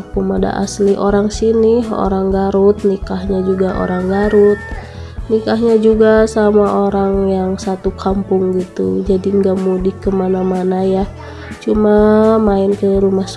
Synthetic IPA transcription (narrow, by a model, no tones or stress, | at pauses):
pumada̰ʔa̰sliʔoɾaŋsiniɦo̰ɾaŋɡaɾut̪̚nikahɲad͡ʒuɡaʔo̰ɾaŋɡaɾut̪̚ | nikaɦɲad͡ʒuɡasamaʔoɾaŋjaŋsat̪ukʰampʊŋɡit̪ṵd͡ʒadiəŋɡamudihkəmanamanaja | t͡ʃumamaɪnkəɾumahs